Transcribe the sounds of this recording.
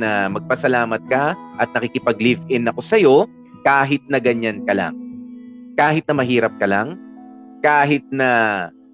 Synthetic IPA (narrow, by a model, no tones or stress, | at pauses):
nɐmɐɡ̚pɐsɐlaːmɐt̪̚kɐʔɐt̪̚nɐkikɪpɐɡ̚livʔɪnɐko̞sɐjo̞ | kaːɦɪt̪̚nɐɡɐɲankɐla̰ŋ | kaːɦɪt̪̚nɐmɐɦiːɾɐp̚kɐlaŋ | kaːɦɪt̪̚nɐ